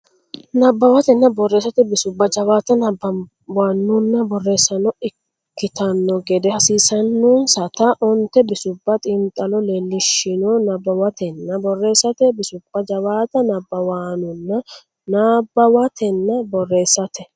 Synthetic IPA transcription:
nɐbːɐwɐt̪ɛnːɐbɔrːe̞ːsɐt̪ɛbɪsʊbːɐd͡ʒɐbaːt̪ɐnɐbɐ | waːnːʊnːɐbɔrːe̞ːsɐnɔɪkː | ɪt̪ɐnːɔɡɛd̪ɛhɐsiːsɐnːunsɐt̪ɐʔɔnt̪ɛbɪsʊbːɐt̪ʼɪnt̪ʼːɐlɔle̞ːlːɪʃɪnonɐbːɐwɐt̪ʰɛnːɐbɔrːe̞ːsɐt̪ɛbɪsʊb̥ːɐd͡ʒɐβaːt̪ɐnɐbːɐwaːnʊnːɐ | naːbːɐwɐt̪ʰɛnːɐbɔrːe̞ːsɐt̪ɛ

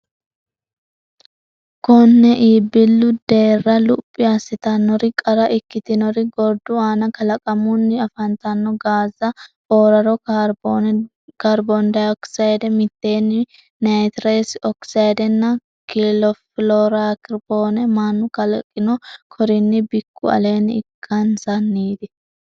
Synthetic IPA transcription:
kɔnːɛʔiːbɪlːʊd̪e̞ːrːɐlʊpʼːɪasɪt̪ɐnːɔɾɪkʼɐɾɐʔɪkːɪt̪ɪnɔɾɪɡɔɾd̪ʊaːnɐkɐlɐkʼɐmʊnːɪɐfɐnt̪ɐnːɔɡaːzɐ | oːɾɐɾɔ | kaɾbond̪ɐjɔksɐjd̪ɛmɪt̪ːe̞ːnːɪ | najt̪ɾeːsɔksɐjd̪ɛnːɐ | kɪlɔfɪlɔɾakɪɾboːnɛmanːʊkɐlkʼːɪnɔkʰɔɾɪnːɪbɪkːʊɐ̰le̞ːnɪɪkʰːɐnsɐnːiːd̪ɪ

